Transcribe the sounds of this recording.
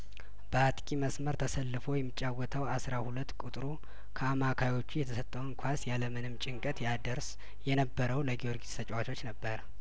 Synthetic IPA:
b̥əat̪ʼkʼiməsməɾt̪ʰəsəlːɨfo̞jɛmːɨt͡ʃʼːawːət̪ʰəwasɾahulət̪ːkʼut̪ʼɾu | kʰəamakʰajo̞t͡ʃːujɛt̪ʰəsət̪ʼːəwɨŋkʰʷasjaləmɨnɨmt͡ʃʼɪŋkʼət̪jad̪əɾs | jɛnəbːəɾəwləɡioɾɡit̪sʰət͡ʃʼwat͡ʃo̞t͡ʃːnəbːəɾ

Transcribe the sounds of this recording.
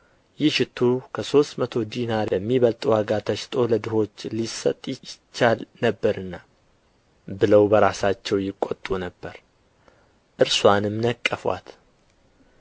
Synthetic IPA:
jɪhʃɪt̪ʰːukʰəso̞st̪mət̪ʰo̞d̪inaəmːiβəlt̪ʼuaɡat̪ʰəʃt̪ʼʰo̞ləd̪ɨɦo̞t͡ʃːlisːə̰t̪ʼːjɪɪt͡ʃːalnəbːəɾɨnːa | bɨləwbəɾasat͡ʃːɛwjɪkʼːo̰t̪ʼːunəbːəɾ | ʔɨɾswanɨmnəkʼːəfwa̰t̪

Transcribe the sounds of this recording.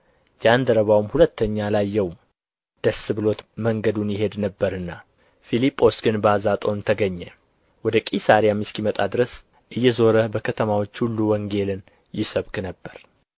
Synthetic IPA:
d͡ʒand̪əɾəβawmhulət̪ʰːəɲːalajːɛwm | d̪̥əsːɨβɨlo̞t̪məŋɡəd̪unjɪɦe̞d̪nəbːəɾɨnːa | filipʼːo̞sɡɨnbazat̪ʼo̞nt̪ʰəɡəɲːɛ | wɔd̪əkʼisaɾijamɨskimət̪ʼad̪ɨɾəs | ʔɨjːɛzo̞ɾəbəkʰət̪ʰəmawo̞t͡ʃːhulːuwɔŋɡe̞lɨn | jɪsəβkʼnəbːəɾ

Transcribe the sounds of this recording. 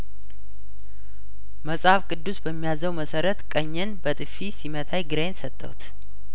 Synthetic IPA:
məsʼhafkʼɨd̪ːusbəmːijazəwməsəɾət̪kʼəɲːɛnbət̪ʼɨfisimət̪ʰajɡɨɾensət̪ʼːə̰wt̪

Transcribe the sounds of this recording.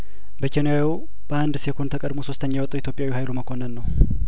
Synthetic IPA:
bəkʰenjaw | b̥əand̪sekʰont̪ʰəkʼəd̪moso̞st̪ʰəɲːawɔt̪ʼuwjit̪jopʼjawihajluməkʰo̞nːənːəw

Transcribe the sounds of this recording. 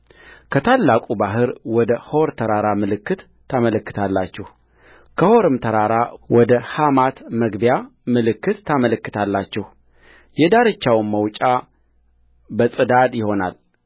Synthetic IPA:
kʰət̪ʰalːakʼubaɦɨɾwɔd̪əhoɾt̪ʰəɾaɾamɨlɨkːɨt̪ʰːamələkːɨ̥t̪ʰalːat͡ʃːɛh | kʰəho̞ɾɨmt̪ʰəɾaɾawɔd̪əhamat̪məɡbjamɨlɨkːɨt̪ʰːamələkːɨt̪ʰalːat͡ʃːɛh | jɛd̪aɾɨt͡ʃːawnməwt͡ʃʼa | bəsʼɨd̪ad̪jɪho̞na̰l

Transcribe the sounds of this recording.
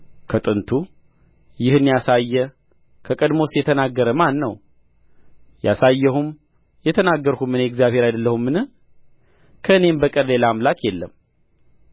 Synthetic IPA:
kʰət̪ʼɨnt̪ʰu | jɪhɨnːijasajːɛ | kʰəkʼəd̪mo̞sjɛt̪ʰənaɡːəɾəmanːəw | ja̰sajːɛɦum | jɛt̪ʰənaɡːəɾhumɨneɛɡzijaβhe̞ɾajd̪əlːəhumːɨnɨ | kʰəɨne̞mbəkʼəɾlelamlakjɛlːəm

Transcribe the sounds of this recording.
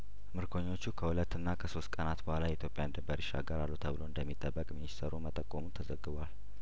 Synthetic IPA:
mɨɾkʰo̞ɲːo̞t͡ʃːukʰəhulət̪ːɨnːakʰəso̞st̪kʼənat̪bəhʷalajɛit̪jo̞pʼjand̪ɨmbəɾiʃa̰ɡəɾalːut̪ʰəβɨlo̞ɨnd̪əmːit̪ʼːəbːəkʼminissʰəɾumət̪ʼːəkʼːomut̪ʰəzəɡːɨβwal

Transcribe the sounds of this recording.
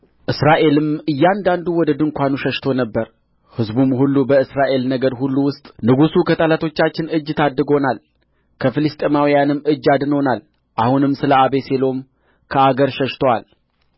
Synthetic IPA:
ʔɨsɾaʔe̞lɨmɨjːand̪and̪uwɔd̪əd̪ɨŋkʷanuʃəʃt̪ʰo̞nəbːəɾ | hɨzbumhulːubəɨsɾaʔe̞lnəɡəɾhulːuwʊst̪ʼnɨɡusukʰət̪ʼəlat̪ʰo̞t͡ʃːat͡ʃːɪnɨd͡ʒːɪt̪ʰad̪ːɨɡo̞nal | kʰəfɨlɨst̪ʼemawijanɨmːɨd͡ʒːad̪no̞nal | ʔahunɨmsɨləaβe̞se̞lo̞m | kʰəaɡəɾʃəʃt̪ʰowal

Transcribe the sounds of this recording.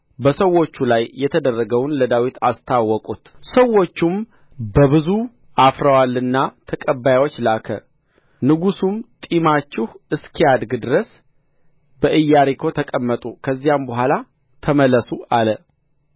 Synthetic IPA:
bəsəwːo̞t͡ʃːulajːɛt̪ʰəd̪ərːəɡəwnləd̪awit̪ʰa̰st̪ʰawːɔkʼut̪səwːo̞t͡ʃːum | bəβɨzu | ʔafɾəwalːɨnːat̪ʰəkʼəbːajwot͡ʃːlakʰə̰ | nɨɡusumt̪ʼimat͡ʃːɪhɨskʰiad̪ɡɨd̪ɨɾəs | bəʔɨjːaɾikʰo̞t̪ʰəkʼəmːət̪ʼukʰəzːijambəɦʷala | t̪ʰəməlːəsualə

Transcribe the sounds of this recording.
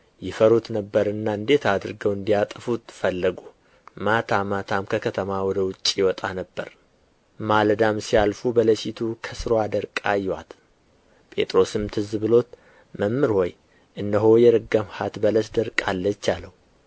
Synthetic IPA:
jɪfəɾut̪nəbːəɾɨnːaɨnd̪e̞t̪ad̪ɨɾɡəwɨnd̪ijat̪ʼəfut̪fəlːəɡu | mat̪ʰamat̪ʰamkʰəkʰət̪ʰəmawɔd̪əwʊt͡ʃʼijɪwɔt̪ʼanəbːəɾ | mald̪amsijalfubələʃit̪ʰukʰəsɨɾoad̪əɾkʼajːwa̰t̪ | pʼe̞̰t̪ʼɾo̞sɨmt̪ʰɨzβɨlo̞t̪ | məmːɨɾhɔj | ʔɨnd̪əɦo̞jɛɾɨɡəmhat̪bələsd̪əɾkʼalːət͡ʃːaləhu

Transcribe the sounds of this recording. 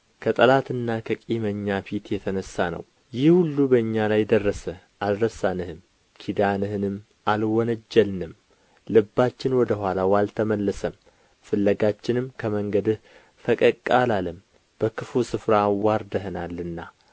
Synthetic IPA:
kʰət̪ʼəlat̪ɨnːakʰəkʼiməɲːafit̪jɛt̪ʰənəsːanə̰w | jɪhhulːubəɨɲːalajd̪ərːəsə | alɾəsanɨhɨm | kʰid̪anɨhɨnɨm | alwɔnəd͡ʒːəlnɨm | lɨbːat͡ʃːɪnwɔd̪əɦʷwalawalt̪ʰəməlːəsəm | fɨlːəɡat͡ʃːɪnɨmkʰəməŋɡəd̪ɨh | fəkʼəkʼalaləm | b̥əkʰɨfusɨfɾawaɾd̪əɦnalːɨnːa

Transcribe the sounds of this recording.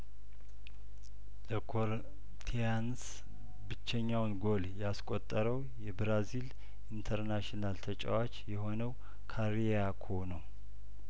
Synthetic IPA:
ləkʰoɾ | t̪ʰijans | bɨt͡ʃːɛɲːawnɡo̞ljɛaskʼot̪ʼːəɾəw | jɛbɾazil | int̪ʰəɾnaʃinalt̪ʰət͡ʃʼa̰wat͡ʃjɛɦo̞nəw | kʰaɾi | akʰonəw

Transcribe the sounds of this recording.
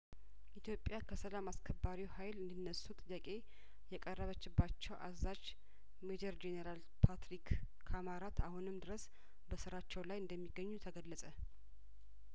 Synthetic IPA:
ʔit̪ʰjo̞pʼjakʰəsəlamaskʰəbːaɾiwhajlɨnd̪ɨnːəsut̪ʼɨjːakʼe̞ | jɛkʼərːəβət͡ʃːɪbːat͡ʃːɛwʔa̰zad͡ʒ | med͡ʒəɾd͡ʒeneɾal | pʰat̪ɾikːʰ | amaɾat̪ahunɨmd̪ɨɾəs | bəsɨɾat͡ʃːɛwlajɨnd̪əmːiɡːəɲːut̪ʰəɡəlːəsʼə

